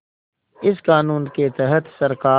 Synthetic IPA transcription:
ɪskaːnuːnket̪ɛɦət̪sɐɾkaː

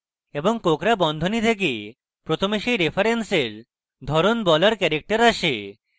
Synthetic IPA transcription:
eboŋkokɾabɔnd̪ʱonit̪ʰek̬e | pɾot̪ʰomeʃejɾepʰaɾenseɾ | d̪ʱɔɾonbɔlaɾkɛɾek̚ʈaɾaʃe

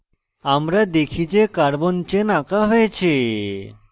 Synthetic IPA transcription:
amɾad̪ekʰit͡ɕekaɾbont͡ɕenakaɦojet͡ɕʰe

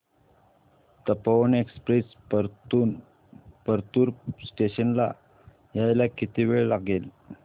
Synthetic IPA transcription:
t̪əpaʋənekspɾes | pəɾt̪uːɾsʈeɕənla̰ | jajlakit̪ʰiʋeɭlaɡel

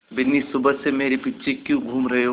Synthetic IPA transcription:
bɪnːisʊbʱəsemeːɾepitːʃʰekjũɡʱuːmɾɐɦe

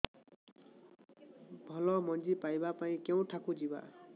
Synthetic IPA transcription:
bʱʌlʌmʌnd͡zipajbapaĩkew̃ʈʰakud͡ziba̰

